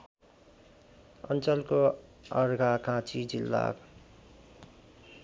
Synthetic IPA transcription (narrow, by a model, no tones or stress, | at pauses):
ʌ̰nt͡sʌlkoʌɾɡʱakãt͡sʰid͡zilːa̰k